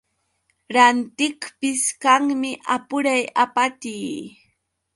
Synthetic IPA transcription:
ɾant̪ɪkpɪskaŋmɪʔapʊɾajapat̪iː

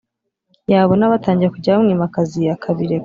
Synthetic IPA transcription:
jaːβo̞naβataːɲɟiɾekuɟaamŋiːmakazijakʰaβiɾe

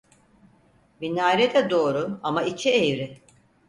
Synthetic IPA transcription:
binaːɾɛd̪ɛd̪o̞ːɾʊamait͡ʃʰiejɾɪ

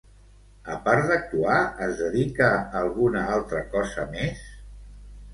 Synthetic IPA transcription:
əpaɾd̪ək̚t̪uaəzðəðikəːlˠɣunəalˠt̪ɾəkɔzəmes

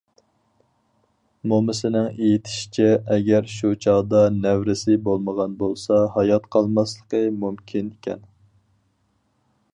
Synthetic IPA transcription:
momɪsɪnɪŋejit̪ʰɪ̥ʃi̥t͡ʃʰɛɛɡʲæɾʃut͡ʃʰɑʁd̪ɑnæwɾɪsɪbolˠməʁɑnbolˠsɑhɑjɑt̪qʰɑlˠmɑslˠəqəmumkʲʰinikʲɛ̰n

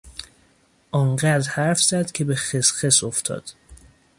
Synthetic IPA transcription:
ʔɒːŋɢæd̪ɾhæɾfz̥æd̪cʲʰe̞bexesxesoft̪ʰɒ̰ːd̪̥

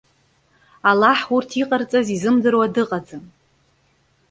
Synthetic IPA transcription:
alaħurtʰiqʼart͡sʼazizɨmdɨrwadɨqʼad͡zɨm

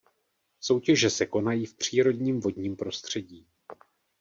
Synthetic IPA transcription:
so̞wcɛʒɛsɛko̞najiːfpr̝̥iːɾo̞dɲiːmvo̞dɲiːmpɾo̞st̪r̝̥ɛɟiː

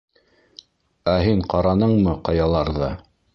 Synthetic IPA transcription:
æɦiɴqɑɾɑnɤɴmɤqɑjɑlˠɑɾðɑ

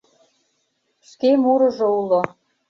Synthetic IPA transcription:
ʃkemuɾɤ̆ʒoulo

